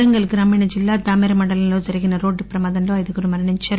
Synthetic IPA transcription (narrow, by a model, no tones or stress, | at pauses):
ɐŋɡɐɭɡɪɾaːmiɳɐd͡ʒɪlːaːd̪aːmeɾɐmɐɳɖɐlɐnloːd͡ʒɐɾɐɣɪnɐɾoːɖːɯpɪɾɐmaːðɐnloːɐjðɯkɯɾɯmɐɾɐɳɐɲt͡ʃɐɾ